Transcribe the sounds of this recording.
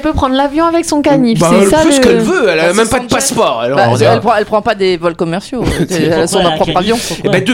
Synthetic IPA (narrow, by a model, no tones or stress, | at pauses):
lpøpχɑ̃d̪ʁlavjɔ̃avɛksɔ̃kanifaɛlsaføsə̥kɛlvøɛlamɛmpad̪paspɔʁɛ̰lbaɛlpχɑ̃ɛlpχɑ̃pad̪evɔlkɔmɛʁsjosɛɛsɔ̃d̪ɛ̃pχɔpχavjɔ̃ebɛd̪ø